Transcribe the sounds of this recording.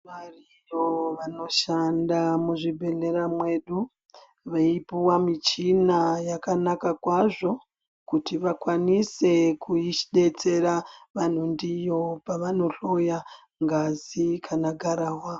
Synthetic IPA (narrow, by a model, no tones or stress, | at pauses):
ʋari | joʋano̞ʃandamuʐibʱe̞neɾamwe̞ɗu | ʋaipuwamit͡ʃinajakanakakwaʐo̞ | kutiʋakwanise̞kuiʃiɗe̞t͡se̞ɾaʋan̤undijo̞paʋano̞ɬo̞ja | ŋɡazikʰanaɡʱaɾaːwa